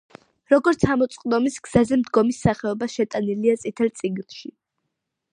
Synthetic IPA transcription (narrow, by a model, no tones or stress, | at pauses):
ɾɔɡɔɾt̪sʰamɔt̪sʼqʼd̪ɔmisɡz̥azɛmd̪ɡɔmisːaχɛɔbaʃɛt̪ʼaniliat̪sʼit̪ʰɛlt̪sʼiɡnʃi